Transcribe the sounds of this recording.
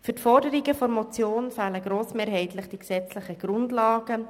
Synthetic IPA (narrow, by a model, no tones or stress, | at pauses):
fyɾtfɔrdəɾiɡəfɔɾmɔt͡sjoːnfɛːləɡ̥ɾoːsmeːɾɦɛɪt̪lɪχd̥iksɛt͡slɪχəɡ̥ɾʊndlɑːɡ̥ə